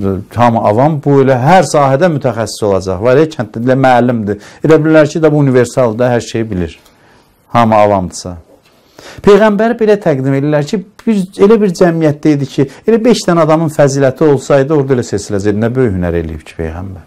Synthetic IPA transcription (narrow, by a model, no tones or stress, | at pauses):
hɑmɑvɑmbuelæɦæɾsɑːɦæd̪æmyt̪ʰæxæsːi̥so̞lˠɑd͡ʒɑ̰χvææcʰænt̪d̪æd̪ilæmæːlimd̪ielæbililæɾcʰid̪ɑbuunive̞ɾsɑlˠd̪ɑɦæɾʃejibiliɾ | hɑmɑvɑmd̪ɯ̥sɑ̰ | pʰe̞jɣæmbæɾbe̞læt̪ʰæɡd̪ime̞lilæɾcʰibiɾe̞læbiɾd͡ʒæmijæt̪̚d̪æid̪icʰielæbe̞ʃt̪ænɑd̪ɑmɯnfæziːlæt̪ʰio̞lˠsɑjd̪ɯo̞ɾd̪ɑelæsesilæd͡ʒed̪inæbø̞jyhynæ̰ɾe̞̰lḭjḭb̥cʰi̥pʰḛjɣæ̰mbæɾ